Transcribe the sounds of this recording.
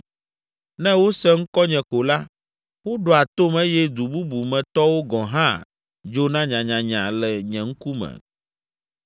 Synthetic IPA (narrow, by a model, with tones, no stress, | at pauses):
nɛ̃˦wo˦sɛ˦ŋ̩˦kɔ˦ɲɛ̃˨ko˨la˦ | wo˦ɖo˨a˨t̪o˦mɛ̃˦jɛ˦d̪u˨bu˦bu˨mɛ̃˨t̪ɔ˦wo˦ɡɔ̃˨ɦã˦˨ | d͡ʒo˦nã˦ɲã˨ɲã˨ɲã˨lɛ˨ɲɛ̃˨ŋ̩˦ku˦mɛ̰̃˨